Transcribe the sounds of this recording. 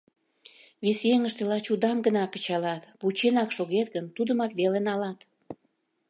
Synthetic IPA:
βesjeŋəʃt̪elɑt͡ɕud̪ɑmɡənɑkə̥̆t͡ɕɑlɑt̪βut͡ɕenɑkʃoɣet̪ɡənt̪ud̪əmɑkβelenɑlɑt̪

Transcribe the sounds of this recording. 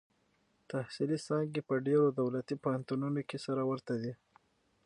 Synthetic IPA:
t̪ahsilisɑŋɡepəɖeɾod̪awlat̪ipohant̪ununokesaɾawəɾt̪ad̪i

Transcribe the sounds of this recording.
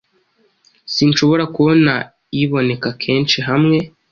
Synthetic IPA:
sinʃo̞βo̞ɾakuβo̞na | iβo̞ne̞kakʰe̞ːnʃiɦamŋe̞

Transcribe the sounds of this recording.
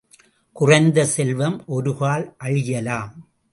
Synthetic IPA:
kʊrɐɪnd̪ɐsɛlʋɐmʔɔɾɯɣaːlʔɐɻɪjɐlaːm

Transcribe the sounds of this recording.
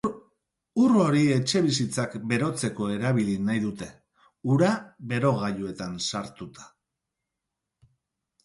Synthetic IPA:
uro̞ɾie̞t͡ʃe̞βisit͡sakbe̞ɾo̞t͡se̞ko̞e̞ɾaβilinajðut̪e̞ | uɾaβe̞ɾo̞ɣaʎue̞t̪ansaɾt̪ut̪ḁ

